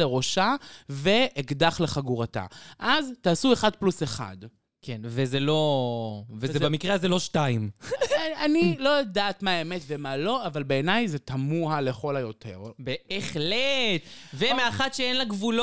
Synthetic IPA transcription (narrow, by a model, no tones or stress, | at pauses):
eʁo̞ʃave̞ːɡdaχle̞χaɡuʁata̰ʔaztaːsue̞χad̚pluseχa̰d | kʰenvezelo̞ | vezebamikʁeazelo̞ʃtaim | anilo̞jadaːt̪maemetve̞malo̞avalbe̞ːnajzetamuhale̞χo̞lajo̞tʰe̞̰ʁbeeχlet̪vemeaχatʃeenlaɡvul